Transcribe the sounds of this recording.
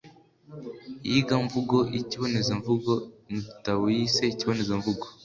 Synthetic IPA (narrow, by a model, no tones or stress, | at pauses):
jiɡaɱvuɡo̞ʔiciβo̞nezeɱvuɡonitawojiseiciβo̞nezeɱvuɡo